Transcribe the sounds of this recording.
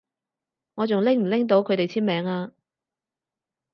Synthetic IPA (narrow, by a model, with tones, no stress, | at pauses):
ŋɔː˨˧t͡sʊ˨ŋlɪ˥ŋm̩˨˩lɪ˥ŋt̪o˨˧˥wkʰɵ˨˧ɥt̪e˨jt͡sʰiː˥mɛː˨˥ŋaː˧